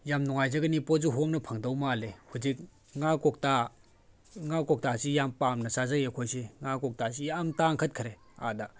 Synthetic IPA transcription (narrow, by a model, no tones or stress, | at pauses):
jamnuŋajzɐɡɐnipozuɦoŋnɐpʰɐŋdawmalehud͡ʒik̚ | ŋakɔk̚ta | ŋakɔk̚tasijampamnɐsazɐekʰojsiŋakɔk̚tasijamtaŋkʰɐt̚kʰɾe | a̰da